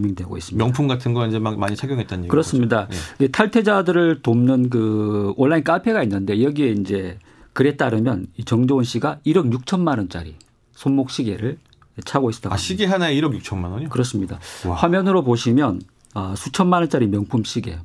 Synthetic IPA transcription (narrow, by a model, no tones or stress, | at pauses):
miŋdwe̞ɡo̰is͈ɯmmjʌŋpʰumɡatʰɯnɡʌind͡ʑeamaɲit͡ɕʰaɡjʌŋɦet̚t͈anɲeɡkɯɾʌs͈ɯmɲidaid͡ʑetʰaɭtʰe̞d͡ʑadɯɾɯɭtomnɯnk̬ɯonːaink͈apʰe̞ɡainːɯnde̞jʌɡie̞ind͡ʑe̞ | kɯɾe̞t̚t͈aɾɯmjʌ̰nit͡ɕʌŋd͡ʑonɕ͈ʰiɡaiɾʌɡjuk̚t͡ɕʰʌnmanʌnt͡ɕ͈a̰ɾi | sʰommok̚ɕ͈ʰiɡeɾɯɭ | et͡ɕʰaɡois͈t͈ʰaɕʰiɡeɦanaeiɾʌɡjuk̚t͡ɕʰʌnmanʌɲkɯɾʌs͈ɯmɲida̰ɸwamjʌnɯɾopoɕʰimjʌn | ʌsʰut͡ɕʰʌnmanʌnt͡ɕ͈aɾimjʌŋpʰumɕʰiɡe̞̰